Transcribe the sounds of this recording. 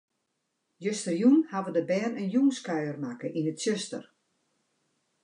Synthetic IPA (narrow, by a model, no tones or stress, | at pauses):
jøstərjunhaʋədəbɛːnənjuŋskœɥərmakəʔinətsøstə̰r